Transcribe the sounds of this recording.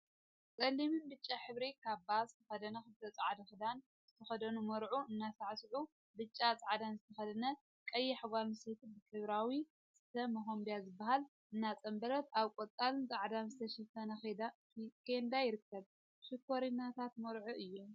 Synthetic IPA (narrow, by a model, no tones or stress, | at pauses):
t͡sʼɐlːimɨnbɨt͡ʃʼːaħɨβɾikʰaβbazt̪ʰɐxɐd̪ɐnɐxɨt̪ʰɐt͡sʼʕad̪ɐxɨd̪an | z̥ɨt̪ʰɐxɐd̪ɐnumoɾʕuɨnːasaʕsɨʕu | bɨt͡ʃʼːat͡sʼʕad̪anzɨt̪ʰɐxɐd̪ɐnɐ | kʼɐjːɛħaɡaɾmɨsit̪ʰɨbɨk̪ʼɨβɾawi | z̥ɨt̪ʰɐmɐxombijazɨbːaɦal | ʔɨnːat͡sʼɐmbɐlɐt̪aβkʼot̪ʼalɨnt͡sʼaʕd̪anzɨt̪ʰɐʃɐfɐnɐxed̪ | kend̪ajɪɾɨkːɐβ | ʃɪkːoɾinːat̪ʰat̪moɾʕuʔɨjːom